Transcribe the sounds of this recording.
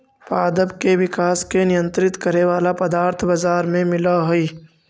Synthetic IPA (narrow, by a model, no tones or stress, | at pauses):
paːd̪əbkeʋɪkaːskenɪjə̃nt̪ɾɪt̪kəɾeʋaːlapɐd̪aːɾt̪ʰbazaːɾmẽmɪlaɦʊiː